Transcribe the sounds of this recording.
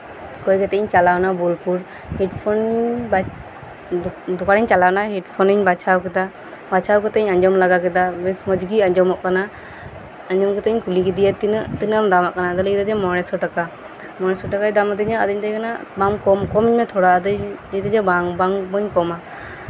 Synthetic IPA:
kɔjkɛt̪ɛɲt͡ʃalawnabulpuɾ | hiʈpʰɔniɲba | d̪ukaɽiɲt͡ʃalawnaɦiʈpʰɔniɲbat͡ʃʰawkɛt̪a | bat͡ʃʰawkɛt̪ɛɲaɲd͡ʒɔmlaɡakɛd̪abɛsmɔd͡ʒɡiaɲd͡ʒɔmɔʔkana | aɲd͡ʒɔmkɛt̪ɛɲkulikɛd̪ijat̪inaʔt̪ɯnamd̪amaʔkanad̪alid̪ad͡ʒɛmɔɾɛsɔʈaka | mɔɹɛsɔʈakad̪amad̪əɲaʔad̪əɲt̪ajkanabamkɔmkɔmiɲmɛt̪ʰɔɽad̪ət̪ad͡ʒɛbaŋbaŋbɔɲkɔma

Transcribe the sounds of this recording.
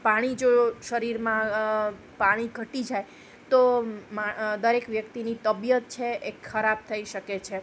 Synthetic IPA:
paɽ̃id͡ʒoʃəɾiɾmã | paɽ̃iɡʱəʈid͡ʒaj | t̪omad̪əɾekʋjəkt̪init̪əbjət̪̚t͡ʃʰeekkʰəɾab̚t̪ʰəiʃəket͡ʃʰe

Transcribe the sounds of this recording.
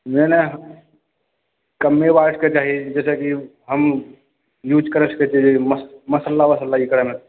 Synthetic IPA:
meneɦ | kəmːebaʈʰket͡ʃaːɦid͡ʒɛːsekiɦəm | jud͡ʒkəɾesə̥ket͡ʃid͡ʒiməməsəlːaməsəlːaikɾamẽ

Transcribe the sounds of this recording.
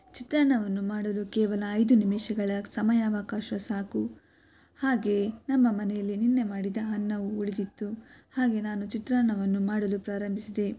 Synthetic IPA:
t͡ʃit̪ɾaːɳɐʋɐnːumaːɽɐlukɛːʋɐlɐːjd̪unimiːʃɐɡɐɭɐsɐmɐjaːʋaːkaːʃɐsaːku | haːɡe̞nɐmːɐmɐnɛjɐlːininːe̞maːɽid̪ɐɦɐnːɐʋuuɭid̪it̪ːuhaːɡe̞naːnut͡ʃit̪ɾaːɳɐʋɐnːumaːɽɐlupɾaːɾɐmbʱisid̪e̞

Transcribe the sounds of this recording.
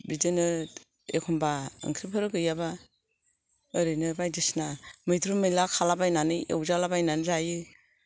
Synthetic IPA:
bidɯnɯ | ḛkʰɔmbaɯ̰ŋkʰɾipʰɯɾɯɡɯjaba | ɯɾɯjnɯbajdisnamɯjtʰɾumɯjlakʰalabajnanɯḛwzalabajnanzajɯ

